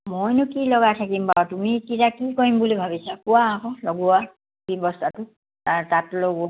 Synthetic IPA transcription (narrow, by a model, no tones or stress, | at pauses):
mojnʊkilɔɡatʰakimpawtumikitakikoimbulibʱabisakuwaːkɔ̃lɔɡuwa | kibɔstʰatʊ | atatloɡu